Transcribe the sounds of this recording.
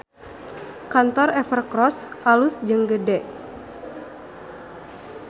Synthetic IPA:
kant̪ɔrɛfərkɾɔsʔalusd͡ʒəŋɡədɛʔ

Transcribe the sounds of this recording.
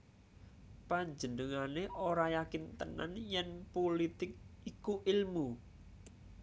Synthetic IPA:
paɲd͡ʒənəŋaneʔoɾajakɪnt̪əna̰njɛnpolit̪ɪk̚ikuʔɪlmu

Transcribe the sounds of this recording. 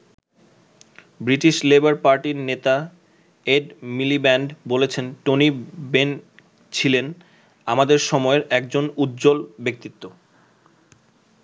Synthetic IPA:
bɾiʈiʃlebaɾpaɾʈiɾnet̪a | eɖmilibɛɳɖbolet͡ɕʰenʈoniben | t͡ɕʰilen | amad̪eɾʃɔmɔeɾɛkd͡ʑonut̪ːd͡ʑolbek̚t̪it̪ːo

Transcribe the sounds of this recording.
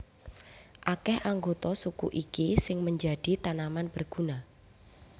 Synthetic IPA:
ʔakɛhʔaŋɡot̪ɔsukṵʔikisɪŋməɲd͡ʒad̥i̤t̪anamanb̥ərɡ̥una

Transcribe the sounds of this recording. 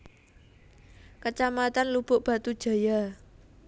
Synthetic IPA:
kət͡ʃamat̪anlub̥ʊ̤ʔb̥ä̤t̪ud̥ʒ̥a̤ja

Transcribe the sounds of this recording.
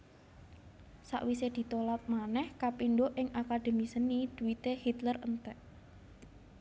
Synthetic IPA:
sa̰ʔwised̪̥i̤t̪olat̪̚manɛhkapiɳɖoʔɪŋakad̪̥e̤misənid̪̥ṳwit̪ehit̪lərənt̪ɛʔ

